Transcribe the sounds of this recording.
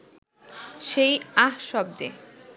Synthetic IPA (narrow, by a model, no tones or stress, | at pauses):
ʃejaɦʃɔb̚d̪e